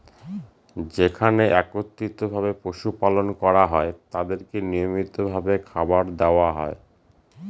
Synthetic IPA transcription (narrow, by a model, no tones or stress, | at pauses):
d͡ʑekʰaneʔɛkot̪ːit̪obʱaβepɾoʃupalonkɔɾaɦɔet̪ad̪eɾkenijomit̪obʱabekʰabaɾd̪eoaɦɔ̰e